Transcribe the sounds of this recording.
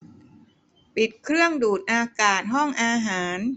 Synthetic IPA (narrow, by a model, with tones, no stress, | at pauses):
pi˨˩t̪̚kʰɾɯ˥˩əŋduː˨˩t̪̚ʔaː˧kaː˨˩t̪̚ɦɔ˥˩ŋʔaː˧ɦaː˩˦n